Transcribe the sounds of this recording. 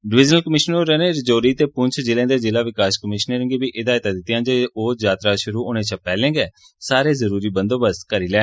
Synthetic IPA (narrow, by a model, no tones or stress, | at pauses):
ɖɪʋɪd͡ʒnəlkəmɪʃnoɾɛːnẽːɾɪd͡ʒoːɾiːt̪eːpʊɲt͡ʃʰd͡ʒɪlẽːd̪eːd͡ʒɪlaːʋɪkaːʃkəmɪʃnəɾə̃ŋɡeːʋiːʔɪd̪aːjɪt̪aːd̪ɪt̪ːjãːd͡ʒeːoːd͡ʒaːt̪ɾaːʃʊɾuːʊnẽːt͡ʃʰəpɛːlẽːŋɡɛː | saːɾeːzəɾuːɾiːbənd̪oːbəst̪kəɾiːlɛː